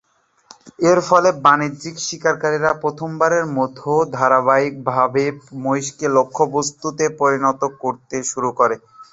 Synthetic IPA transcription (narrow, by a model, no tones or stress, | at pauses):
eɾfɔlebanidd͡ʑikʃikaɾkaɾiɾapɾot̪ʰombaɾeɾmot̪ʰod̪ʱaɾabaik̚bʱabemojʃkelokʰːobost̪ut̪epoɾinɔt̪okːoɾt̪eʃuɾukoɾe